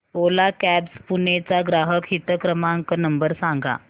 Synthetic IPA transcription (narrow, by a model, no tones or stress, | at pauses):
olakæbspunet͡saɡɾaɦəkɦit̪əkɾəmaəŋkənəmbəɾsãŋɡa̰